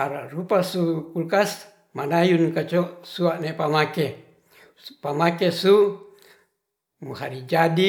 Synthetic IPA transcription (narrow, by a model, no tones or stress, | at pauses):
aɾarupasukulkas | manajunkat͡ʃosuaʔnepamake | pamakesu | muhaɾid͡ʒadi